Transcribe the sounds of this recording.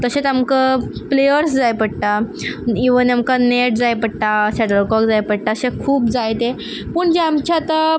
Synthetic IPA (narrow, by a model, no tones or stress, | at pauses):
t̪əɕet̪amkaplejəɾsd͡zajpəɽʈ̪aiʋənamkaneʈ̚d͡zajpəɽʈ̪asɛʈəɾkɔkd͡zajpəɽʈ̪aəsẽkʰuːpd͡zajt̪e | pəɳd͡ʑeamt͡ɕat̪a